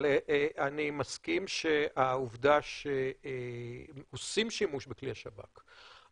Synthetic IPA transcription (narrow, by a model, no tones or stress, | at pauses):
ʔeanimaskimʃeauvd̪aʃe | osimʃimuʃbekliaʃaba̰k